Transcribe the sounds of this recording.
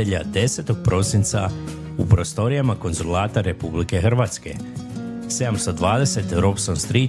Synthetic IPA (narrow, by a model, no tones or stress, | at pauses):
eʎad̪e̞se̞t̪o̞ɡ̚pɾo̞sint̪sa̰ | upɾo̞st̪o̞ɾijamako̞nzulaːt̪aɾe̞publike̞xr̩ʋat̪ske̞̰ | se̞d̪amst̪o̞d̪ʋaːd̪e̞se̞t̪ɾopsonst̪ɾi